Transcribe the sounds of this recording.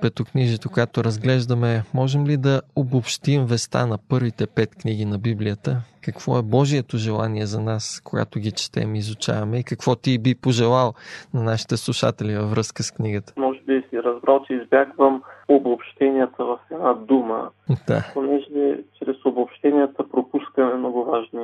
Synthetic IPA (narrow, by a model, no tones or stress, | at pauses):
pɛt̪okniʒɛt̪okojat̪ʊɾɐzɡlɛʒd̪ɐmɛmɔʒɛmlid̪ɐobopʃt̪imvɛst̪a̰nɐpɤɾvit̪ɛpɛt̪kniɡ̟inɐbiblijət̪əkɐkv̥ɔ̰ɛbɔʒiɛt̪ʊʒɛlˠa̰niɛzɐnaskoɡa̰t̪ʊɡit͡ʃɛ̥t̪ɛ̰mizʊt͡ʃa̰vɐmɛikɐkv̥ɔt̪ibipoʒɛlˠalˠnɐnaʃi̥t̪ɛslˠuʃa̰t̪ɛlivɐvɾɤskəskniɡət̪ə̥mɔʒɛbisiɾɐzbɾalˠt͡ʃɛizbʲjaɡvəmobopʃt̪ɛnijət̪əvɐfɛd̪nad̪umə̰d̪̥a̰ponɛʒɛt͡ʃɾɛsobopʃt̪ɛnijət̪əpɾopuskəmɛmnɔɡʊvaʒni